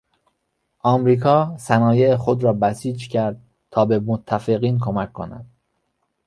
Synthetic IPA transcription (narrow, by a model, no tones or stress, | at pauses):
ʔɒːmɾiːkʰɒːsænɒːje̞exo̞d̪ɾɒːbæsiːd͡ʒcʰæɾd̪̚ | t̪ʰɒːbe̞mot̪ʰːæfeɣiːnkʰo̞mæcʰːo̞̰næ̰d̪̥